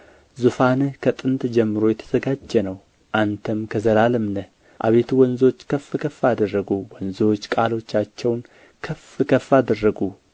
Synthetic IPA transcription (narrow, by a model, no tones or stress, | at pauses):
zufanɨhkʰət̪ʼɨnt̪d͡ʒɛmːɨɾo̞jɛt̪ʰəz̥əɡad͡ʒːɛnəw | ʔant̪ʰəmkʰəzəlalɨmnə | ʔa̰βe̞t̪ʰuwɔnzo̞t͡ʃːkʰəfːɨkʰəfad̪ərːəɡuwɔnzot͡ʃːkʼalo̞t͡ʃːat͡ʃːɛwn | kʰəfɨkʰəfad̪ərːəɡu